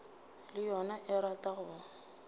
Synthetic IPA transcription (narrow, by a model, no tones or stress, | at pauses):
lɪjɔnaʔɪɾatʼaɣʊ